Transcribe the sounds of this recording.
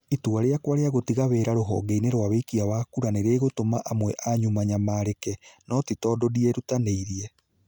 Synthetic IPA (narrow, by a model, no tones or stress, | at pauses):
ituaɾeakwaɾeaɣotiɣaβeːɾaɾoɦɔ̰ɡeineɾwaβekiawakuɾaneɾeɣotomaʔamwɛʔaɲumaɲamaɾekɛnɔtitɔdodieɾutaneiɾiɛ